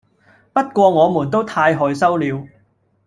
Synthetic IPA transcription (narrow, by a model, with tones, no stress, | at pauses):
pɐ˥t̚kʷɔː˧ŋɔː˨˧muː˨˩nt̪o˥wt̪ʰaː˧jɦɔː˨jsɐ˥wliː˨˧w